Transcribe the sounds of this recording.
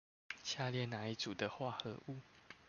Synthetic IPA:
t͡ɕʰja˥˧ljɛ˥˩na˧˥˦i˨˩t͡su˨˩d̪ə˦xwa˥˩xɤ˧˦ʔu˥˩˨

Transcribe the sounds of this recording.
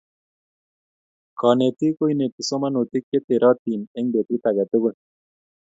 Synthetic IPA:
kɔ˨ne˨t̪ɪ˦ko˦i˦ne˨tɪ˨so˦ma˦no˨t̪ɪ˦kːe˦t̪ɪ˨ɾɔ˦t̪i˨ne˦ŋde˨t̪i˦t̪a˨ɡa˨t̪o˦ɡo˦

